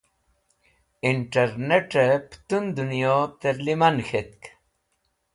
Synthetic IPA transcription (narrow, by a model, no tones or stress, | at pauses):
iɳʈɐɾneʈəpt̪und̪unjot̪eɾlimɐnxet̪̚k